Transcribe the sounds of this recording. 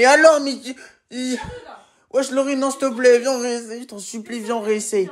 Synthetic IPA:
ealɔʁmi | i | wʔɛʃloʁinɑ̃st̪əp̬lɛvjɛ̃ʁeset̪ɔ̃syplivjɛ̃ʁese

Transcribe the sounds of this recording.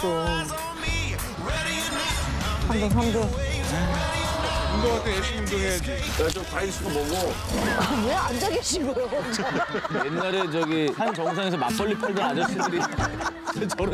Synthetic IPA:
to | handʌŋɦamdʌ | unɡʌatʰeeɕʰiɲidoed͡ʑ | et͡ɕomkais͈ʰudoboɡo | moand͡ʑaɡeɕʰiɡʌjo | jenːaɾet͡ɕʌɡiɦant͡ɕʌŋs̬ʰaŋe̞sʰʌmak̚p͈ʌɭːipʰaɭdʌnad͡ʑʌɕʰidɯɾi | et͡ɕʌɾo

